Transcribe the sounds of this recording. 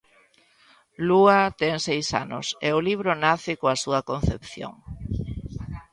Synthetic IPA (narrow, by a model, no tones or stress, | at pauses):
luat̪ɛŋsejsa̰nʊ̰sḛʊliβ̞ɾonaθɪkoasuɐkon̟θepθjo̰ŋ